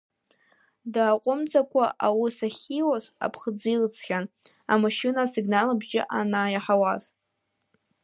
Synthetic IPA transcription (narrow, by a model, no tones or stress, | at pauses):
daːqʷʼʊmt͡sʼakʷʰaʔawisaχʲiwaza̰pʰχd͡zilt͡sʰχʲan | amaʃɪnasiɡnalabʒɪ̰ʔanajaħawaz